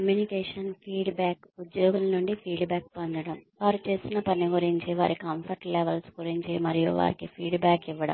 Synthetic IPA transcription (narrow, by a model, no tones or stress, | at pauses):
kɐmjuːnikɛːʂɐnpʰiːɖbaːkud̪joːɡulɐnuɳɖipʰiːɖbaːk̚pond̪ɐɽɐmʋaːɾut͡ʃe̞ːsinɐpɐniɡuɾiɲt͡ʃiʋa̰ːɾikɐmpʰɐɾʈleːʋɐlskuɾiɲt͡ʃimɐɾijṵʋa̰ːɾikipʰiːɖbaːkiʋːɐɽɐ̰mm